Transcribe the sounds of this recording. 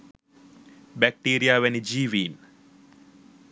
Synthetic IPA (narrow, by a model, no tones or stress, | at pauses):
bæk̚ʈiːɾijaːʋɛnid͡ʒiːʋiːn